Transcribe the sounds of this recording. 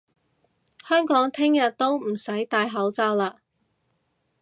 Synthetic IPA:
hœː˥ŋkɔː˨˥ŋt̪ʰɪ˥ŋjɐ˨t̚t̪o˥wm̩˨˩sɐ˨˥jt̪aː˧jɦɐ˨˥wt͡saː˧wlaː˧

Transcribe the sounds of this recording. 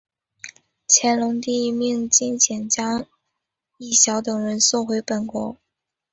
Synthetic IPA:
t͡ɕʰjɛ˧˥nlʊ˧˥ŋt̪̬i˥˧mi˥˧ŋt͡ɕi˥nɕʰjɛ˨˩nt͡ɕjɑ˥ŋ | i˥˩ɕjɑ˧˥ʊt̪ɤ˨˩ŋɻə˧˥nsɔ˥˩xwe˧˥ɪpə˨˩nkwɔ˧˥

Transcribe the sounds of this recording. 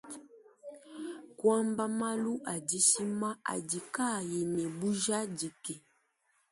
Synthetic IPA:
kwa˦mba˦ma˦lu˦ʔa˨di˦si˦ma˦ʔa̰˨di˨ka˦˨ji˨nɛ˨bu˦ʒa˦di˨kɛ˨

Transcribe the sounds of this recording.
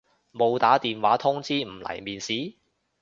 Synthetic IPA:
mo˨˧wt̪aː˨˥t̪iː˨nwaː˨˥t̪ʰʊ˥ŋt͡siː˥m̩˨˩lɐ̰˨˩jmiː˨nsiː˨˥

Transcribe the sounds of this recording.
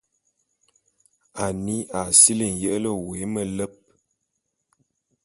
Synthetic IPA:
a˨ni˦a˨si˦li˨n˨jə˦ʔlə˦we˨˦mə˦lə˦p̚

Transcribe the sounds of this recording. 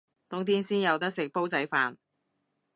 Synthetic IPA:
t̪ʊ˨˥ŋt̪ʰiː˥nsiː˥njɐ˨˧wt̪ɐ˥k̚sɪ˨k̚po˥wt͡sɐ˨˥jfaː˨˧n

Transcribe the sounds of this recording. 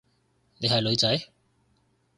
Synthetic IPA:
ne˨˧jɦɐ˨jlɵ˨˧ɥt͡sɐ˨˥j

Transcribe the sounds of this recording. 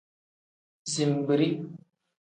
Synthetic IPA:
zi˨mbɨ˨ɾi˦

